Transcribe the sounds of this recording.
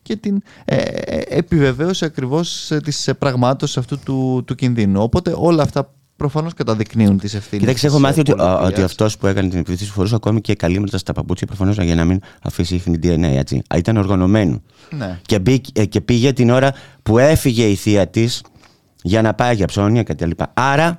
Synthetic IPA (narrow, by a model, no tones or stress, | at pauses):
ce̞t̪in | ḛepive̞ve̞osiɐkɾivo̞st̪ispɾɐɣmɐt̪o̞sisɐft̪ut̪ut̪ucinðinuo̞po̞t̪e̞ʔo̞lɐːft̪ɐ | pɾo̞fɐno̞skɐt̪ɐðikniunt̪isefθicit̪ɐksiexomɐθiot̪iot̪iɐft̪o̞spue̞kɐnet̪inipiiθisi̥fo̞ɾus̬ɐko̞micekɐlimeɾt̪ɐst̪ɐpɐput͡sçɐpɾofɐno̞sʝɐnɐminɐ̰fisixnid̪ienḛet͡sḭɐ̰it̪ɐno̞ɾɣɐno̞me̞no̰ | nnecebicce̞piʝe̞t̪ino̞ɾɐpue̞fiʝe̞iθiɐt̪is | ʝɐnɐpɐiʝɐpso̞niɐkɐt̪it̪ɐlipɐ̰ɐɾɐ